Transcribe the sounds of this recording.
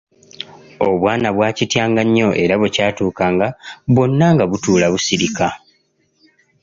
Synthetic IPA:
o̞βwaːnaβwaːcitjaːŋɡaɲːo̞ʔe̞ɾaβecaːtuːkaːŋɡaβwo̞nːaŋɡaβutuːlaβusiɾika

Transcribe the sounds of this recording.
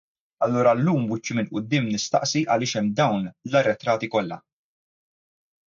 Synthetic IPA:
ɐlːuːɾɐlːuːmwɪt͡ʃːimɪlʔʊd̪ːɪːmnɪst̪ɐ̰ʔsiʔɐlɪːʃɛmːd̪ɐwnlɐrːɛt̪ɾɐːt̪ikɔlːɐ̰

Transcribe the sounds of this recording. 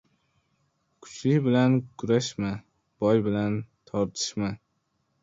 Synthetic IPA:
kʰʊ̥t͡ʃʰlɪkʲbɪlankʰʊɾaʃma | b̥ɒjbɪlant̪ʰɒɾt̪ʰɪ̥ʃma

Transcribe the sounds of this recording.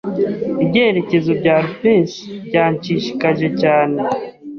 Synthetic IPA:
ibɟeːɾece̞zobɟaːɾupesbɟaːɲt͡ʃiʃi̥kaʒe̞caːne

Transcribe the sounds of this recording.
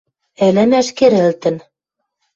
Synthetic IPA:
ɘ̆lɘ̆mæʃkeɾɘ̆lt̪ɘ̆n

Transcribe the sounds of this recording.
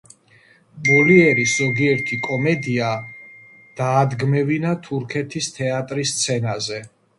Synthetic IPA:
bɔliɛɾisz̥ɔɡiɛɾt̪ʰikʼɔmɛd̪ia | d̪̥aːd̪ɡmɛvinat̪ʰuɾkʰɛt̪ʰist̪ʰɛat̪ʼɾist̪sʰɛnazɛ

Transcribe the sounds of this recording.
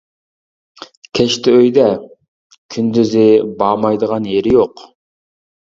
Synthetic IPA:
kʲʰɛʃt̪ʰɛøjd̪ɛ | kʲʰynd̪yzɪbɑːmɑjd̪əʁɑnjeɾɪjoq

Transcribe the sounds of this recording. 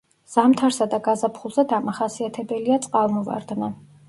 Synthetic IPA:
z̥amt̪ʰaɾsad̪aɡazapʰχulˠzɛd̪amaχasiat̪ʰɛbɛliat̪sʼqʼavmɔva̰ɾd̪na

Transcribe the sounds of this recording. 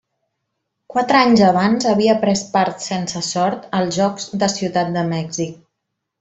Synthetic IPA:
kwat̪ɾəaɲzəβ̞anzəβiəpɾɛst̪̚paɾt̪sensəsɔɾt̪əlˠzʒɔkz̥d̪əsiwt̪at̪̚d̪əmɛɡzik̚

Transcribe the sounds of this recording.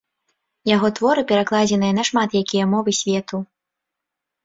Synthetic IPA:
jaɣɔt̪vɔɾɨpʲɛɾaklˠad͡zʲɛnɨjɐnɐʂmat̪jakʲijɐmɔvɨsʲvʲɛt̪u

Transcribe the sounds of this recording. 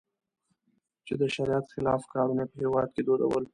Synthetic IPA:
t͡ʃed̪əʃaɾijat̪xɪlɑfkɑɾunepəhewɑd̪̚ked̪oɾa̰wəl

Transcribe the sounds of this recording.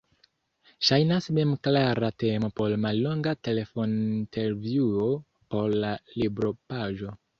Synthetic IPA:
ʃajnasme̞mklaɾate̞mo̞po̞ɾmalːo̞ŋɡate̞le̞fo̞ntʰe̞ɾvjuo | po̞ɾlalibɾo̞paʒo̞

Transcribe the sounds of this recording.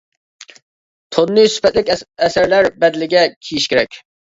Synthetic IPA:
t̪ʰonːɨsy̥pɛt̪lɪkʲɛsæɾlæɾbɛd̪ɪlɪɡʲɛkʲʰijiʃkʲeɾɛkʲ

